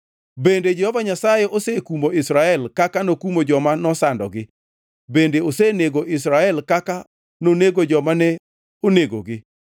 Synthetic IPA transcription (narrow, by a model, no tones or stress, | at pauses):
bended͡ʒɛhɔvaɲasajeʔosekumoɪsɾaɛlkakanokumod͡ʒɔmanɔsandɔ̰ɡɪ | bendeoseneɡoʔɪs̬ɾaɛlkaka | noneɡod͡ʒɔmanɛ | oneɡo̰ɡɪ